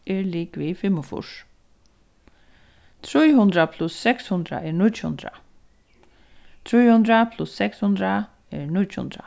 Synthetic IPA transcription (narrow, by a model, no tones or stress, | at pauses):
ɛɹliːkʋifɪmʊfʊ̰ʂ | t̪ʰɾujɦʊnd̪ɾapʰlʊsːɛkshʊnd̪ɾa̰ʔɛɹɳʊt͡ʃhʊ̰nd̪ɾa̰ | t̪ʰɾujhʊnd̪ɾapʰlʊsːɛkshʊnd̪ɾa | ɛɹnʊt͡ʃhʊ̰nd̪ɾa̰